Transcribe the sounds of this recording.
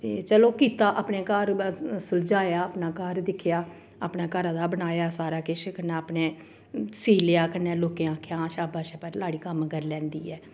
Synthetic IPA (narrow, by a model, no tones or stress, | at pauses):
t̪ḛːt͡ʃəloːkiːt̪aːʔaːpɳeːkəɾsʊld͡ʒaːjaːəpnaːkəɾd̪ɪkʰjaː | apnaːkəɾãːd̪aːbənaːjaːsaːɾaːkɪʃkənaːəpneː | siːlɪaːkənɛːloːkeãːkʰjãːʃaːbaːʃɛːpəɾlaːɽiːkəmɡəɾlɛ̃ːnd̪ḭːɛː